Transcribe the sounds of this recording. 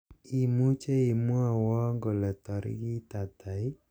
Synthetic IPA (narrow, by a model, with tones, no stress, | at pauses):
i˨mu˦t͡ʃe˦i˨mu˦a˨wɔ˦ŋɡo˨lɛ˨tɔ˨ɾɪ̰˦ki˦ta˨ta˨ɪ˦